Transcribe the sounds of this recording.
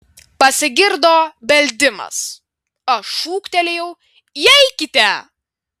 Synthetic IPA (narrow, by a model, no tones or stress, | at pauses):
pɐsʲɪɡʲɪɾd̪oːbʲɛlʲd̪ʲɪmɐ̰s | ɐʃuːkt̪ʲɛlʲejɛʊ | ɛɪkʲɪt̪ʲɛ